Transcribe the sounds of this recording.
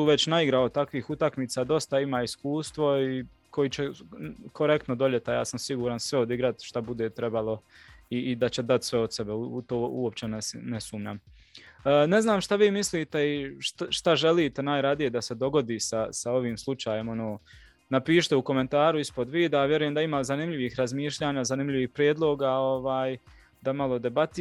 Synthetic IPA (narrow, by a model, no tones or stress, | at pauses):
uːʋe̞t͡ɕnaiɡɾaot̪akʋiːxut̪akmiːt̪saːd̪o̞st̪aimaːiskuːst̪ʋo̞i | kʰo̞jiːt͡ɕekʰo̞ɾe̞k̚t̪nod̪o̞ʎe̞t̪aja̰ːsamsiɡuːɾansʋeod̪iɡɾat̪ʃt̪abud̪eːt̪ɾe̞balˠo̞iːd̪at͡ɕe̞d̪at̪sʋeod̪sebeuut̪oːṵo̞pt͡ɕenesnesuːmɲa̰m | əːne̞znaːmʃt̪aʋiːmisliːt̪e̞iʃtʃt̪aʒe̞liːt̪e̞naːjɾad̪ije̞d̪ase̞d̪o̞ɡo̞d̪iːsasao̞ʋiːmslˠut͡ʃaːjemo̞noː | napiːʃt̪euko̞me̞nt̪aːɾuispo̞d̪ʋiːd̪avjeɾujemd̪aimaːzanimʎiʋixɾazmiːʃʎaːɲaːzanimʎiʋiːhpɾjeːd̪lˠo̞ːɡaoʋaːj | d̪amalˠod̪e̞bat̪i